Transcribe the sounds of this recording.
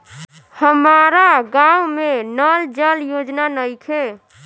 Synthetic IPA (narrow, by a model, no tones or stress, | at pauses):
həmaɾaɡaumenəld͡ʒəljod͡ʒnanəjkʰe